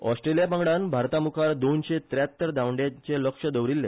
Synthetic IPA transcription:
ɔsʈɾelijapãŋɡɽanbʱaɾt̪amukʰaɾd̪onɕet̪ɾjat̪ːəɾd̪awɳɖjat͡ɕeləkʂəd̪əʋɾilːe

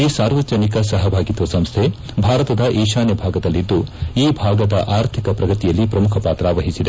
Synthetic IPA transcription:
iːsaːɾʋɐd͡ʒɐnikɐsɐɦɐbʱaːɡit̪ʋɐsɐmst̪ʰe | bʱaːɾɐt̪ɐd̪ɐʔeːʃaːnjɐbʱaːɡɐd̪ɐlːid̪ːuiːbʱaːɡɐd̪ɐ̰ʔaːɾt̪ʰikɐpɾɐɡɐt̪ijɐlːipɾɐmukʰɐpaːt̪ɾaːʋɐɦisid̪e

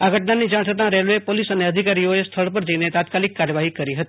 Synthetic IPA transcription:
aɡʱəʈnanid͡ʒaɽ̃t̪ʰət̪ãɾelʋepolisəneəd̪ʱikaɾioest̪ʰəɭpəɾd͡ʒəinet̪at̪kalɪkːaɾjəʋaɦikəɾiɦət̪i

